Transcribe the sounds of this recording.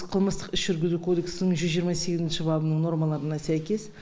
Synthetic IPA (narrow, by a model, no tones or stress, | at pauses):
qʰəlˠməst̪əqɪsʒ̥ʏɾɡʲɪzukʰo̞d̪e̞ksnəŋʒʏzʒijəɾmɑse̞ɡʲɪzɪnʃɪbɑbənəɴno̞ɾmɑlˠɑɾənɑsæjkʲe̞s